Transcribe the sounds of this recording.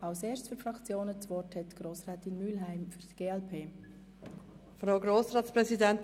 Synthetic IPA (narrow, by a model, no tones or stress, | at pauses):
ɑʊseːɾsfyɾfɾɑkt͡sjoːnət͡sʋɔrthɛtɡ̥ɾoːsrɛːtɪnmylɦæɪmfyɾd̥ɡ̥eːɛlpʰeː | fɾaʊɡɾoːsɾaːtspɾɛzidɛnt